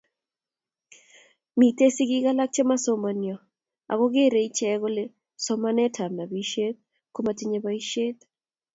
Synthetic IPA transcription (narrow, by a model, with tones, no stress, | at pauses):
mi˨te˦si˦ɡɪ˦ɡa˦la˦k̚t͡ʃe˦ma˦so˦ma˨njɔ˨ | a̰˨ɣɔ˦ɡe˦ɾe˨i˦t͡ʃɛ˦ɣo˦le˦ | sɔ˦ma˦nɛ˦tʰa˨mna˨bi˦ʃe˦t̪̚ | ko˦ma˨ti˦ɲe˦ba˦i˦ʃe˦t̪